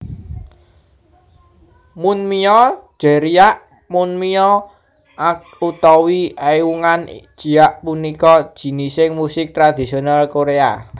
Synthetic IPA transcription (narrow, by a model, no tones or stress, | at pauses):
mʊnmiɔ̥ʒ̥ɛ̤ɾiaʔ | mʊnmiɔ | ʔak | ut̪ɔwiʔajwuŋand̥ʒ̥i̤aʔpunikɔd̥ʒ̥i̤nisɪŋmusɪk̚t̪ɾad̪̥i̤sionalkoɾea̰